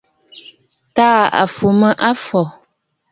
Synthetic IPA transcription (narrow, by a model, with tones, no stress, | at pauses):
taː˦a̰˨fu˨mə˦ʔa˦fɔ˨